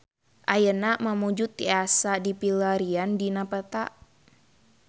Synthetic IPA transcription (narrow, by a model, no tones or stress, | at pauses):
ʔajənaməmud͡ʒut̪ːiasadipilaɾiandinapət̪a̰